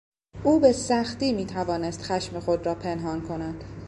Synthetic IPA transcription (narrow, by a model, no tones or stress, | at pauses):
ʔuːbe̞sæxt̪iːmiːt̪ʰævɒːne̞st̪xæʃmexo̞d̪ɾɒːpʰe̞nɦɒːnkʰo̞næd̪̥